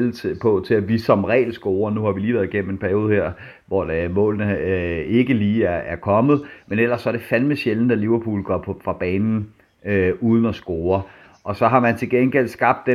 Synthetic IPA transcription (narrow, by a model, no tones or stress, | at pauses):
lt͡sʰpʰɒ̽t͡sʰe̝æʋisɒ̽mʁɛ̰ːlsɡ̥oːɐnuhɑ̈ʋiliːʋæɐðˠiɡ̥en̰m̩e̝npʰæɐjo̝ːð̞̩ˠheɐ̰ | ʋɒd̥mɔ̰̽ːlnəe̝ɡ̥əliːæɐæɐkʰɒ̽mð̩ˠmenel̰ɐsːɒ̽ɐd̥e̝fælməɕelnəd̥æliʊɐpʰṵːlɡ̥ɒ̰pʰɒ̽fʁɑ̈b̥ɛːnn̩ | øuːð̞ˠn̩ɒsɡ̥oːɐ | ʔɒ̽sɒ̽ɦɑ̈mænt͡sʰe̝lɡ̥enɡ̥el̰sɡ̥ɑ̈b̥̚d̥ːe